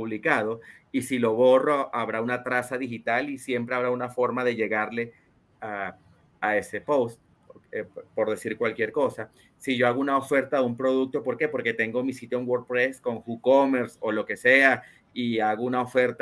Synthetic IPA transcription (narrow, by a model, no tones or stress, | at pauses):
puβlikaðo̞isilo̞βo̞roʔaβ̞ɾaunat̪ɾasaðixit̪alisje̞mpɾe̞aβɾaunafo̞ɾmaðe̞ʝe̞ɣaɾle̞ | a | ae̞se̞powst̪̚ | epo̞ɾðe̞siɾkwalkje̞ɾko̞sa | siʝo̞aɣounao̞fe̞ɾt̪aðumpɾo̞ðuk̚t̪o̞po̞ɾke̞po̞ɾke̞t̪e̞ŋɡo̞misit̪joeŋɡwoɾpɾesko̞ŋxukome̞ɾso̞lo̞ke̞se̞a | iaɣounaofe̞ɾt̪